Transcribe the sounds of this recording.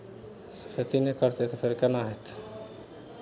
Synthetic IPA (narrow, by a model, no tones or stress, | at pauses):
sset̪inekəɾt̪et̪ɔpʰeɾkɛnaɦet̪